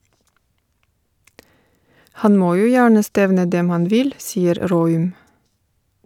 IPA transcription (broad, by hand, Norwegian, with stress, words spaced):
ˈhɑn ˈmoː ˈjuː ˈjæːɳə ˈstɛʋnə ˈdɛm ˈhɑn ˈʋɪl ˈsiːəɾ ˈɾoːʉm